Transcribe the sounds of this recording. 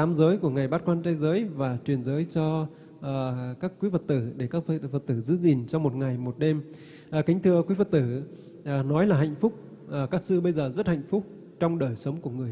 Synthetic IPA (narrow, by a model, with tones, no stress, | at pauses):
aː˨˦mzəː˨˦jku˧˩əŋa˨˩jɓaː˦˥t̚kwaː˧nt͡ɕaː˧jzəː˨˦jvaː˨˩t͡ɕwi˨˩ənzəː˨˦jt͡ɕɔ˧˨˩ | kaː˦˥kːwi˨˦və˨˩t̚t̪ɨ˧˩ɗe˧˩kaː˦˥k̚və˨˩t̚t̪ɨ˧˩zɨ̰˧˦zi˨˩nt͡ɕɔ˧mo˨˩t̚ŋa˨˩jmo˨˩t̚ɗe˧m | ʔkï˨˦ŋ̟t̪ʰɨ˧əkwi˨˦və˨˩t̚t̪ɨ˧˩ | ʔnɔ˨˦jlaː˨˩ɦa̰˧˨jŋ̟fʊ˦˥k͡p̚ | ʔə˨˩kaː˦˥k̚sɨ˧ɓə˧jzəː˨˩zə˦˥t̚ha̰˧˨jŋ̟fʊ˦˥k͡p̚ | t͡ɕɔ˧wŋ͡mɗəː˨˩jsə˨˦wŋ͡mku˧˩əŋɨ˨˩əj